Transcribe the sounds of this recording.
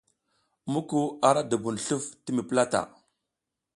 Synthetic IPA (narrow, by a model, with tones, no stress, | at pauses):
mu˦ku˦a˨ɾa˦da˨bu˨n˨ɬu˦fti˦mi˨pə˦la˦ta̰˨